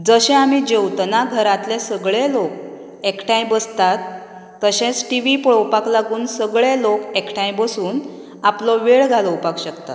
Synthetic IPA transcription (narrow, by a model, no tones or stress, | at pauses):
d͡zəɕẽamid͡ʑewt̪naɡʱəɾãt̪lesəɡɭelok | ekʈʰãjbəst̪at̪ː | əɕẽt͡sʈiʋipɭɔwpaklaɡuːnsəɡɭelokekʈʰãjbəsuːn | aplɔʋeɭɡʱaləwpakɕəkt̪a̰t̪